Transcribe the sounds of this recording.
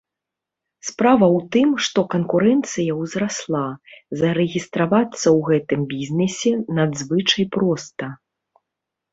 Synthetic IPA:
spɾavɐwt̪ɨmʂt̪ɔkɐnkuɾɛnt̪sɨjɐwzɾaslˠazɐɾɛɣʲist̪ɾavat̪sːɐwɣɛt̪ɨmbʲizʲnɛsʲɛnad̪zvɨt͡ʂɐjpɾɔst̪ɐ

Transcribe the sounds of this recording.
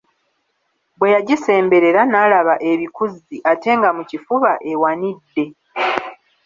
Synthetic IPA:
bwe̞jaɟise̞ːmbe̞ɾe̞ɾanaːlaβaʔe̞βikuziʔate̞ːŋɡamucifuβaʔe̞wanidːe̞

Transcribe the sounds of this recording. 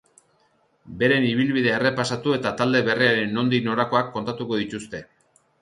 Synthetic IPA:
be̞ɾe̞niβ̞ilβiðe̞ːre̞pasat̪ue̞t̪at̪ald̪e̞βe̞riaɾe̞no̞nd̪ino̞ɾako̞akːo̞nt̪at̪uko̞ð̞it̪ust̪e̞

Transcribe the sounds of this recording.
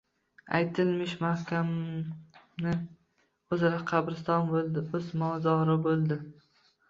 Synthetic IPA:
a̰jt̪ʰɪlmɪʃmahkʲam | nɪ | ɵzɾaqʰɑbɾɪst̪ɒnbolˠd̪ɪɵzmɒzɒɾɪbolˠd̪ɪ

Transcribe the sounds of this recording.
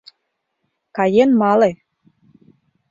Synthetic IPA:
kɑjenmɑle

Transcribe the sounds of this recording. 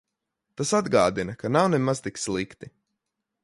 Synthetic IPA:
t̪asad̪ɡaːd̪inɐkanawnemaz̥t̪ikslˠikt̪i

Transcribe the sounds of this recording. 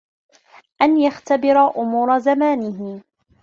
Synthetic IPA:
ʔanjaxt̪abɪɾaʔʊmuːɾˤazamaːnɪɦɪ

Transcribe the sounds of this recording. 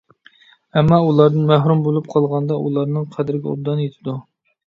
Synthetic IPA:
ɛmːɑulˠɑɾd̪ɨnmæɦɾumbolˠup̚qʰɑlˠʁɑnd̪ɑʔulˠɑɾnɨŋqʰæd̪ɪɾɪɡʲɛo̰b̚d̪ɑnjet̪ʰɪd̪u

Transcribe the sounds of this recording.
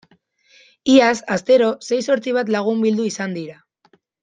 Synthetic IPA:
iasast̪e̞ɾo̞se̞jso̞ɾt͡siβat̪laɣ̞umbild̪uisand̪iɾa

